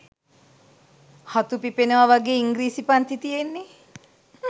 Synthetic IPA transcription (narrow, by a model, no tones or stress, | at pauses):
hat̪upipenəʋaʋaɡeːiŋɡɾiːsipant̪it̪ijenːe